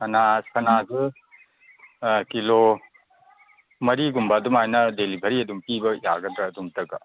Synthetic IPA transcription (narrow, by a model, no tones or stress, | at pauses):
ɐnasɐnazɯ | kilo | mɐɾiɡumbɐːdumajnɐdelibʱɐɾiɐdumpibɐjaɡɐdɾɐːduŋtɐɡɐ